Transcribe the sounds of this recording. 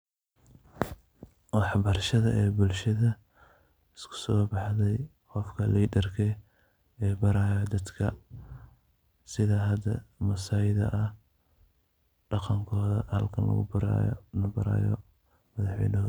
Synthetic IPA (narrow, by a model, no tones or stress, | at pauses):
wɑħbɐrʃɐðɐʔɛːbʊlʃɐðɐ | ɪskʰʊ̥sɔːbɑħðɛj | qɔfkʰɐliːd̪ɐrkʰɛ | ɛːbɐɾaːjɔd̪ɐd̪kʰɐ | sɪðɐɦɐd̪ɐ̰mɐsajɪðɐ̰ʔɐh | ɖ̥ɑqɑŋkʰɔːðɐhɐlkʰɐnlɐ̰ɣʊ̰bɐɾa̰ːj̰nɐbɐɾa̰ːjɔ̰ | mɐðɑħwɛ̰jnɐ